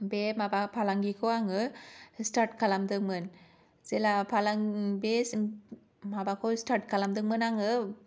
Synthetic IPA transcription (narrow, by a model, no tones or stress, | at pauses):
bemabapʰalaŋɡikoaŋɯsʈaɾʈkalamd̪ɯmɯn | zelapʰalaŋbes | mabakosʈaɾʈ̚kalamd̪ɯmɯnaŋɯ